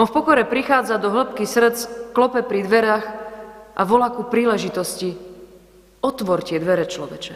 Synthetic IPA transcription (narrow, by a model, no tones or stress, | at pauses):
ɔfpɔkɔɾɛpɾixaːd͡zad̪ɔɦl̩pkisr̩t͡sklɔpɛpɾid̪ʋɛɾaxʔaʋɔlakupɾiːlɛʒit̪ɔsci | ɔt̪ʋɔɾcɪɛd̪ʋɛɾɛt͡ʃlɔʋɛt͡ʃɛ